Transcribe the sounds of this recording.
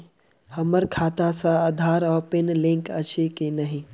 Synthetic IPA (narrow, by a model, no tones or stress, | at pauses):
həməɾkʰaːt̪asãad̪ʱaːɾɔːpɪnlɪ̃ŋkət͡ʃʰekinəɦĩ